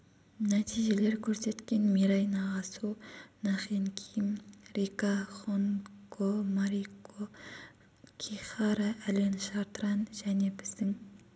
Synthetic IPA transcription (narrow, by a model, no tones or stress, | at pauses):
næt̪ʰijʒe̞le̞ɾkʲʰɵɾse̞t̪kʲe̞nmiɾɑjnɑʁɑsunɑχinkʲʰijmrikɑχonkʰomɑɾiko | kʲʰiχɑɾɑʔælenʃɑɾt̪əɾɑnʒæne̞bɪzd̪ɪŋ